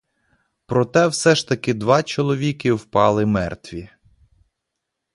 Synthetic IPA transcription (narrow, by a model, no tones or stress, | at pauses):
pɾɔt̪ɛwsɛʃt̪ɐkɪd̪ʋɑt͡ʃɔlˠɔʋʲikɪwpɑlˠɪmɛ̰rt̪ʋʲi